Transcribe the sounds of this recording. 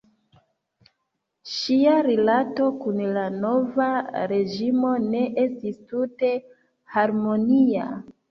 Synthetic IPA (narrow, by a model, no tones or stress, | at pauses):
ʃiaɾilato̞kunlano̞vaɾe̞d͡ʒimo̞ne̞ʔe̞stistute̞ | haɾmo̞nia̰